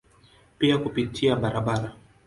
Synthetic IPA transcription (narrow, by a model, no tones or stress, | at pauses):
piakupitʰiaɓaɾaɓaɾa